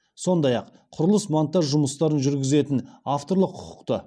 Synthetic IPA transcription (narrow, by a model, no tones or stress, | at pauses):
so̞nd̪ɑjɑq | qʰʊɾəlˠəsmɑnt̪ːɑʒʊməst̪ɑɾənʒʏɾɡʲɪze̞t̪ɪnaft̪o̞ɾlˠəqʰːʊ̥qʊ̥qt̪ə